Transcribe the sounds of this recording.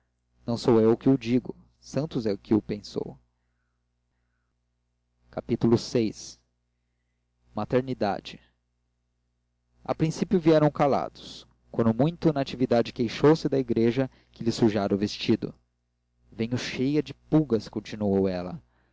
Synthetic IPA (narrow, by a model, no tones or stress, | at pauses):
nɐ̃w̃sowewʊkɪʊd͡ʒiɡʊ | sɐ̃nt̪ʊzɛʊkɪʊpẽso̰w | kapit̪ulʊsejs | mat̪eɾnid̪a̰d͡ʒɪ | a̰pɾĩsipjʊviɛɾɐ̃w̃kala̰d̪ʊ̥s | kwɐ̃nd̪ʊmũj̃t̪ʊnaːt͡ʃivid̪ad͡ʒɪkejʃowsɪd̪ɐiɡɾeʒɐ | kɪlɪsuʒaɾɐʊvest͡ʃid̪ʊ̰ | vẽɲʊʃejɐd͡ʒɪpuɡɐskõt͡ʃinuowɛlɐ̰